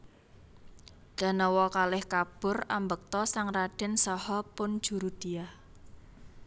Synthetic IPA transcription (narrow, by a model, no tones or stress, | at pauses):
ɡ̥a̤nɔwɔkalɪhkab̥ʊ̤rambək̚t̪ɔsaŋraɖ̥ɛ̤nsɔhɔpʊn̥ʒ̥ṳɾud̪̥i̤ah